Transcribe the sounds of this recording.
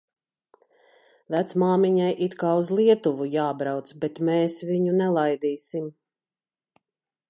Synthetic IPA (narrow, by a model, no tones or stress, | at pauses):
væt̪smaːmiɲajʔit̪kaːuzlˠiɛt̪uvujaːbɾawt̪sbɛt̪mɛːsviɲunɛlˠajd̪iːsim